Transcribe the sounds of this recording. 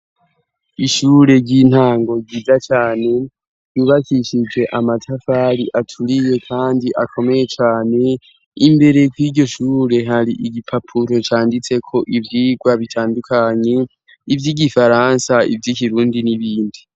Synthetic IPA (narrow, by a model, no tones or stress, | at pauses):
iʃuːɾe̞ɟin̥haːŋɡo̞ɡiːzat͡ʃaːne̞̥ | juːβakiʃid͡ʒe̞ʔamatʰafaɾiʔatʰuɾije̞kʰaːndiʔakʰo̞me̞je̞t͡ʃaːne̞ | imbe̞ɾe̞kwiːɾɟo̞ʃuːɾe̞ɦaɾiʔiɡipʰapʰuɾo̞t͡ʃaːndit͡se̞kʰo̞ʔivjiːɡwaβitʰaːndukʰaɲe̞ | ivjiːɡifaɾansaḭvjikiɾuːndiniβiːndi